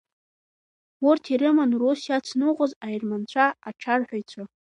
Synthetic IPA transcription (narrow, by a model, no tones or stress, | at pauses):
wʊrtʰiɾɨmanrosjat͡sʰnɨqʷʼazajrmant͡ɕʷʰaaʈ͡ʂʰarħʷᶣajt͡sʷʰa